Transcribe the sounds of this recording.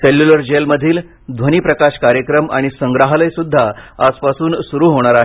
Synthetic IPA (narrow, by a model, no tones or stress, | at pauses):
seljuləɾd͡ʑelməd̪ʱiːl | d̪ʱʋəñiːpɾəkaɕkaɾjəkɾəmaɽ̃isəŋɡɾaɦaləjsud̪ʱːaaspasuːnsuɾuːɦoɽ̃aɾaɦ